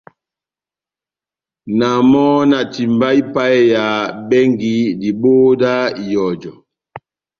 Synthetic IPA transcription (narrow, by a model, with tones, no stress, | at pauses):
na˨mɔ˦na˨ti˨mba˦i˦pa˦ɛ˦ja˨bɛ˦ŋɡi˨di˨bo˦da˦˨jɔ˨d͡ʒɔ˨